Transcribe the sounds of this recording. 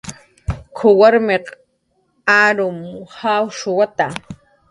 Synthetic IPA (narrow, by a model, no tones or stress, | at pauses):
kʰʊwaɾmeq | aɾʊmhawʃʊwat̪a